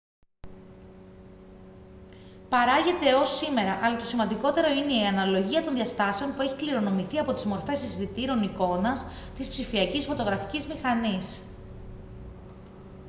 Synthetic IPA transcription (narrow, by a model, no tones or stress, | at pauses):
pɐɾɐʝe̞t̪e̞o̞sime̞ɾɐʔɐlɐt̪o̞simɐnd̪iko̞t̪e̞ɾo̞ine̞iɐnɐlo̞ʝiɐt̪o̞nðiɐst̪ɐse̞o̞npue̞çikliɾo̞no̞miθiɐpo̞t̪izmoɾfe̞sisθit̪iɾo̞niko̞nɐst̪ispsifiɐcisfo̞t̪o̞ɣɾɐfi̥cizmixɐnis